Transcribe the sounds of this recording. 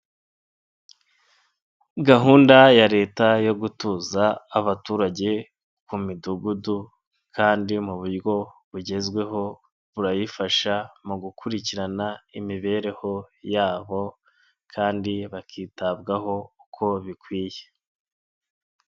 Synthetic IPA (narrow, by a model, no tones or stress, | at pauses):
ɡaɦuːndajaɾe̞ːtajo̞ɡutuːzaːβatuːɾaɟe̞ | kumiduɡudu | kʰaːndimuβuɾɡo̞βuɟe̞zɡwe̞ɦo̞ | βuɾajifaʃamuɡukʰuɾiciɾanaimiβe̞ːɾe̞ho̞jaːβo̞ | kʰaːndiβakʰiːtabɡaho̞ukʰo̞βikwiːje̞̥